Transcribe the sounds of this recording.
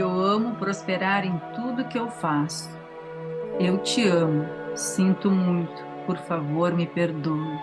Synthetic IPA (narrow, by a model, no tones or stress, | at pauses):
ewɐ̃mʊpɾospeɾaɾẽj̃t̪ud̪ʊkɪewfasʊ̥ | ewt͡ʃɪɐ̃mʊsĩnt̪ʊmũj̃t̪ʊ̥poɾfavoɾmɪpeɾd̪oʊ